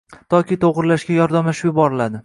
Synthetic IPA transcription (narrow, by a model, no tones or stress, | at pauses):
t̪ʰɒkʲɪt̪ʰoʁɾɪlaʃɡʲajɒɾd̪amlaʃɪpjʊbɒɾɪlad̪ɪ